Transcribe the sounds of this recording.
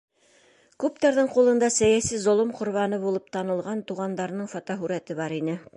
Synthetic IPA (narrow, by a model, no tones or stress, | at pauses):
kʉp̚t̪æɾðɤɴqulˠɤ̆nd̪ɑsæjæsizŏlˠomqŏɾβɑnɤbulˠɤp̚t̪ɑnɤ̆lˠʁɑnt̪uʁɑnd̪ɑɾnɤɴfɑt̪ɑɦʉɾæt̪ɘβɑɾinɘ